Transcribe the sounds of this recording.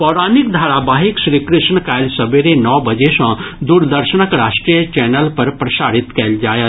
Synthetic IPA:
pɔːɾaːnikd̪ʱaːɾabaːɦikʃɾiːkɾɪʃɳkaːjlsəbeɾenɔːbəd͡ʒeʃɔ̃d̪uːɾd̪əɾʃənəkɾaːʃʈɾijət͡ʃɛːnəlpɐɾpɾɐʃaːɽɪt̪kɛld͡ʒaːjət̪

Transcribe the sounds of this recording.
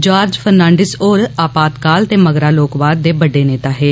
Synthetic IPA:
d͡ʒaːɾd͡ʒpʰəɾnãːɳɖɪsoːɾaːpaːt̪kaːlt̪eːməɡɾaːloːkbaːɾd̪eːbəɖeːneːt̪aːɦeː

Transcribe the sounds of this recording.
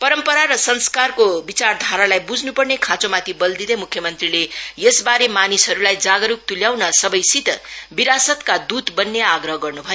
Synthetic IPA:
pʌɾʌmpʌɾaɾʌsʌnskarkobit͡sard̪ʱaɾalajbud͡znupʌrnekʰãt͡somat̪ʰibʌld̪id̪emukʰjʌmʌnt̪rilejesbaɾemanisɦʌɾulajd͡zaɡʌɾuk̚t̪uljawnʌsʌbʌjsit̪biɾasʌt̪kad̪ut̪bʌnːeaɡrʌɦʌɡʌrnubʱʌjo

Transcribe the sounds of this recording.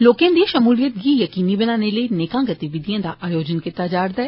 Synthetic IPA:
loːkẽnd̪iʃɐmuːlijət̪̚ɡijɐkiːnibɐnaːnelɐineːkãɡɐt̪iʋɪd̪ʱijə̃d̪aʔaːjoːd͡ʒənket̪aːd͡ʒaːɾd̪ɐe

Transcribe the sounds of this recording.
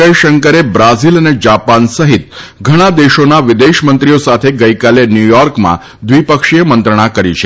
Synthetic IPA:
əjʃəŋkəɾebɾaziləned͡ʒapansəɦit̪ɡʱəɽ̃ad̪eʃonaʋɪd̪eʃmənt̪ɾijosat̪ʰeɡəikalenjujɔɾkmã̰ | d̪ʋipəkʃijəmənt̪ɾəɽ̃akəɾit͡ʃʰe

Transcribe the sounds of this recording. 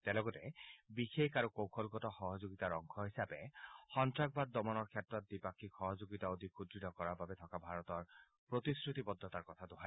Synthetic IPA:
tɛlɔɡɔtɛbixekaɹukowkʰɔlɡɔtɔxɔɦɔzoɡitaɹɔŋkʰɔɦisapɛxɔntɹak̚bad̪̚ːɔmɔnɔɹkʰjatɹɔt̚dipakʰikxɔɦɔzoɡitaod̪ʱikʰudɹitɔkɔɹaɹbabɛt̪ʰɔkabʱaɹɔtɔɹ | pɹot̪isɹut̪ibɔd̪ʱːɔtaɹkɔt̪ʰatʊɦa

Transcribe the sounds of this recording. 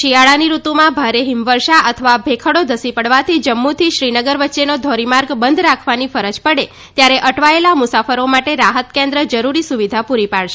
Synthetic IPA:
ʃiaɭaniɾut̪umãbʱaɾeɦimʋəɾʃaʔət̪ʰəʋabʱekʰəɽod̪ʱəsipəɽʋat̪ʰid͡ʒəmːut̪ʰiʃɾinəɡəɾʋətːʃenod̪ʱɔɾimaɾɡbənd̪ʱɾakʰʋanifəɾəd͡ʒpəɽe | t̪jaɾeʔəʈʋaelamusafəɾomaʈeɾaɦət̪kẽnd̪ɾəd͡ʒəɾuɾisuʋid̪ʱapuɾipaɭʃe

